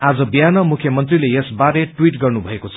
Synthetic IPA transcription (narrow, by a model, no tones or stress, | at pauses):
ad͡zʌbijanʌmukʰːjʌmʌnt̪rilejesbaɾeʈwiʈɡʌrnubʱʌekot͡sʰ